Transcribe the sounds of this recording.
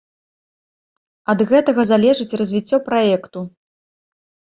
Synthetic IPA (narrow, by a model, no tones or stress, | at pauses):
ɐd̪ɣɛt̪ɐɣɐzalʲɛʐɨt͡sʲrɐzʲvʲit͡sʲːɔpɾajɛkt̪u